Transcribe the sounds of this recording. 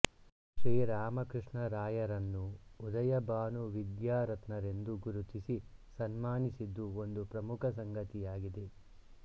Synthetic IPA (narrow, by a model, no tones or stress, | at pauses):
ʃɾiːɾaːmɐkɾɨʂɳɐɾaːjɐɾɐnːuɔd̪ɐjɐbaːnuʋid̪jaːɾɐt̪nɐɾe̞nd̪uɡuɾut̪isisɐnmaːnisid̪ːuond̪upɾɐmukʰɐsɐŋɡɐt̪ijaːɡid̪e̞